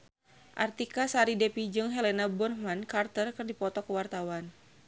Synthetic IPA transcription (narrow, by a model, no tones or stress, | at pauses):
ʔa̰rt̪ikasaɾidɛpid͡ʒɨŋɦɛlɛnabɔrhmankart̪ərkɨrdipɔt̪ɔkəwart̪awan